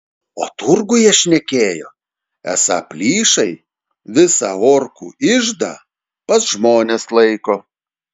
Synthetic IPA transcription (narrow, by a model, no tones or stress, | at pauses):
o̰ːt̪ʊɾɡʊjiɛʃʲnʲɛkʲeːjoː | æ̰sɑ̰pʲlʲiːʃɐɪ | ʋʲɪsɑːoːɾkuːɪʒd̪ɐ̰ː | pɐsʒmoːnʲeslˠɐɪkoː